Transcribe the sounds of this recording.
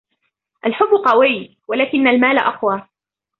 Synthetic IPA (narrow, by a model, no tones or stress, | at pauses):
ʔalħʊbːʊqɑwɪj | walaːkɪnːalmaːlaʔɑqwaː